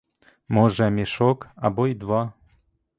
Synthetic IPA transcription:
moʒæmʲeʃokɑbojd̪vɑ

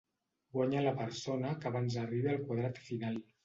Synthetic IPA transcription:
ɡwaɲalapəɾsonakaβanzariβealˠkwaðɾat̪finalˠ

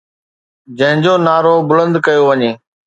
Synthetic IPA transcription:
d͡ʑə̃ɦɪ̃ɲd͡ʑoːnaːɾoːbʊlə̃nd̪kəjoːʋəɲeː

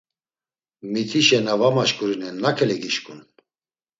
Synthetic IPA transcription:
mit̪ʰiʃɛnavamaʃkʼuɾinɛnːakʰɛlɛɡiʃkʰʼun

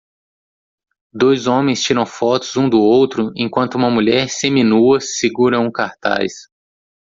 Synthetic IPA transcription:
d̪ojzõmẽj̃st͡ʃiɾɐ̃w̃fɔt̪ʊzũd̪ʊowt̪ɾʊḛ̃kwɐ̃nt̪ʊũmɐmuʎɛɾseminuɐsiɡuɾɐ̃w̃ũkaɾt̪a̰js

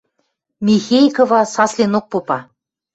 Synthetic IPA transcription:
mʲixejkovɑsɑslʲinok̚pupɑ

